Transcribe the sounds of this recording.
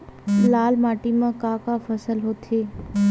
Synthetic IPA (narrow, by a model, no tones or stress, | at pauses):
laːlmaːʈimãkaːkafɐsəlɦoːt̪ʰeː